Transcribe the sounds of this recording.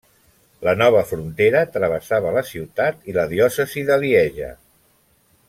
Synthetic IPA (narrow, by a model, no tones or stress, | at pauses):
lənɔβ̞əfɾunt̪eɾət̪ɾəβ̞əsaβələsiwt̪at̪iləðiɔsəziðəliɛʒə̰